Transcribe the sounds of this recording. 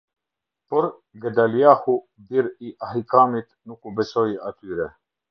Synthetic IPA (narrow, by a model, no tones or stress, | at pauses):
pɔɾ | ɡəd̪alijaːhu | d̪iɾiʔahikaːmit̪nukubɛsoiʔat̪yːɾɛ